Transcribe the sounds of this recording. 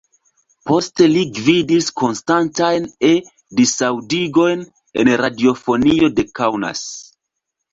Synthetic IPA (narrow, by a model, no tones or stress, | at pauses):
po̞ste̞liɡvidisko̞nstantajne | disawdiɡo̞jn | e̞̰nɾadio̞fo̞nio̞de̞kawna̰s